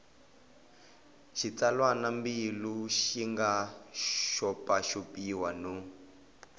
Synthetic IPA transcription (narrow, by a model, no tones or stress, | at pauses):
ʃit͡salwanambiluʃiŋɡa | ʃɔpaʃopiwanu